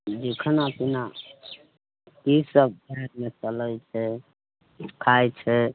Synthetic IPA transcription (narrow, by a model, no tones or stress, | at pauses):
d̪ekʰənapina | kisəb̚bʱəɾəɾmet͡ʃələt͡ʃʰɛ | kʰajt͡ʃʰɛ